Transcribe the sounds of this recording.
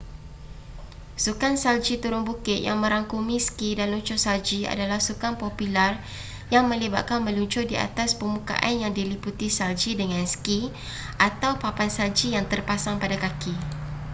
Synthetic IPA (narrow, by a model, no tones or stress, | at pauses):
sukansald͡ʒit̪uɾʊŋbukɪt̪̚ja̰ŋmə̃ɾaŋkumiskidanluɲt͡ʃʊsald͡ʒia̰dalahsukaŋpopilar | jaŋmə̃liba̰ʔ̪̚kanmə̃luɲt͡ʃʊrdia̰t̪aspəmuka̰ʔanjaŋdiliput̪isald͡ʒidəŋãnski | ʔat̪awpapansald͡ʒijaŋt̪ərpasaŋpadakaki